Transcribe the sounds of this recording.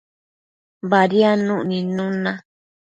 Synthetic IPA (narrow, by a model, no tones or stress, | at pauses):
βaɾianũʔnĩnũnã